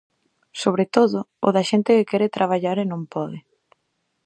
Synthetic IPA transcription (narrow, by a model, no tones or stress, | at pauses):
soβ̞ɾet̪oðʊʊ̰ðɐʃent̪ɪkɪkɛɾɪt̪ɾaβ̞aʎaɾenõmpɔðɪ